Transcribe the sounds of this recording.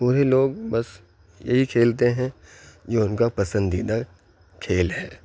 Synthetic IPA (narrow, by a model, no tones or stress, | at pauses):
puːɾeloːɡbɐs | jɐ̰ɦikʰeːlt̪eɦɛ̃d͡ʒoːʊnkapɐsə̃nd̪iːd̪a | kʰeːlɦɛː